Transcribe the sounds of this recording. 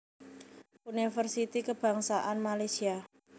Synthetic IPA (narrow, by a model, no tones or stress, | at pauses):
unifərsit̪ikəb̥ä̤ŋsaʔanmalajsia